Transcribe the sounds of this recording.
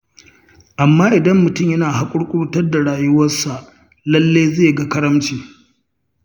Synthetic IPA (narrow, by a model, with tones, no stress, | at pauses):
ʔa˨mːaː˦ʔɪ˨dɐ˦mːʊ˨tʊ˦˨mjɐ˦naː˨ɦa˦kʷʼʊ˦ɽkʷʼʊ˦ɽu˦tɐ˦rda˨ɽaː˨jʊ˦wɐ˦sa˨ʔ | lɐ˦lːeː˦jzeː˦˨jɡa˦kɐ˦ɾɐ˦mt͡ʃiː˨